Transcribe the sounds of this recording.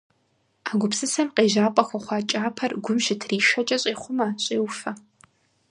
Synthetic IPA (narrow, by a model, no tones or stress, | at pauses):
aːɡʷʊpsɨsɐmqeːʒaːpʷʼɐxʷɐχʷɑːt͡ʃʼaːpʰɐrɡʷʊmʃɪtʰriːʃʷɐt͡ʃʼɐɕʼeːχʷʊmaːɕʼeːwfɐ